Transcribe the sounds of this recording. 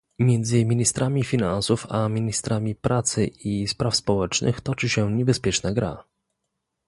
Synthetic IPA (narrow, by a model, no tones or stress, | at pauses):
mʲjɛnd̪zɘmʲiɲist̪ɾʔamʲifʲinansufamʲiɲist̪ɾamʲipɾat̪sɘispɾafspɔwɛt͡ʂnʔɘ̰xt̪ɔt͡ʂɘɕɛɲɛbɛspʲjɛt͡ʂnaɡɾa̰